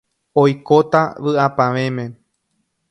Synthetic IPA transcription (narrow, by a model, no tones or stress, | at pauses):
ojkot̪a̰ʋɨapãʋẽ̞mẽ̞